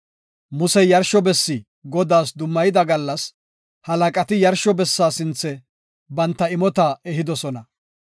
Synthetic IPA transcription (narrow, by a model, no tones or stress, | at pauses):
mʊsɛjɐɾʃɔbɛsːɪ | ɡɔd̪aːsd̪ʊmːɐjɪd̪ɐɡɐlːɐs | hɐlɐkʼɐt̪ɪjɐɾʃɔbɛsːaːsɪnt͡sːɛ | bɐnt̪ːɐɪmɔt̪aɛɦɪd̪ɔsɔnɐ